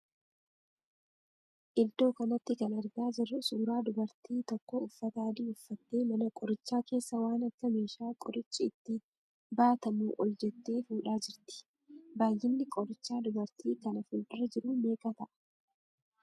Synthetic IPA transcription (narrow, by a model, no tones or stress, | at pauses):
ʔɪld̪o̞ːkɐnɔt̪ːɪkɐnɐɾɡaːd͡ʒɪrːʊsuːɾaːd̪ʊbɐɾt̪iːt̪ɔkːɔʊfːɐt̪aːd̪iʊfːɐt̪ːeːmɐnɐkʼɔɾɪt͡ʃːaːke̞ːsːɐwaːnɐkːɐmeːʃaːkʼɔɾɪt͡ʃʼːɪːt̪ːɪ | baːt̪ɐmuːʔɔld͡ʒɛt̪ːe̞ːfuːᶑaːd͡ʒɪɾt̪ɪ̥ | baːjːɪnːɪkʼɔɾɪt͡ʃːaːd̪ʊbɐɾt̪ʰiːkɐnɐfuld̪ɪɾɐd͡ʒɪɾuːme̞ːkɐt̪ɐʔɐ̥